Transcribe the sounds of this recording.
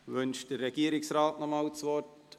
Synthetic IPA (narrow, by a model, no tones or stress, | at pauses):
ʋʏnʃ̚d̥ərɛɡ̥iːəɾɪksraːtnɔmawtsʋɔrt